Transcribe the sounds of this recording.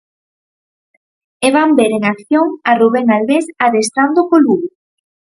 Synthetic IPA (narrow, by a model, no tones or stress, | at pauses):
eβambeɾeŋakθjoŋaruβeŋalβesaðest̪ɾand̪okoluβ